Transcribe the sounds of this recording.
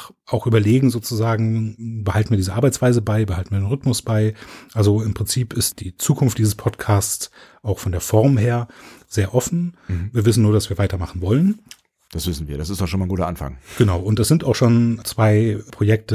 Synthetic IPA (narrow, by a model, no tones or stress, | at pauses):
ʔaʊxʔyːbɐleːɡŋ̩zoːt͡suzaːɡŋ̩bəhaltn̩viːɐiːzəʔaɐbaɪt͡sv̥aɪzəbaɪbəhaltn̩viɐdeːnʁʏtmʊsb̥aɪʔalzoɪmpʁ̥ɪnt͡siːpɪstd̥iːt͡suːkʰʊnftd̥iːzəspʰɔtkʰaːst͡sʔaʊxfɔndeːɐfɔɐmɦeːɐz̥eːɐʔɔfn̩viːɐvɪsn̩nuːɐɾasv̥iːɐvaɪtɐmaχn̩vɔlən | d̥asv̥ɪsn̩viːɐɾasɪstd̥ɔχʃoːnmaɪnɡuːtɐʔanfa̰ŋɡ̥ənaʊʊntd̥asz̥ɪntaʊxʃoːnt͡sv̥aɪpʁ̥ojɛk̚tə